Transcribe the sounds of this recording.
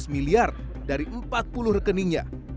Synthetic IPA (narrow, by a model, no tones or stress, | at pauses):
smiliar | daɾiʔəmpat̪̚pulʊhrəkəniɲa̰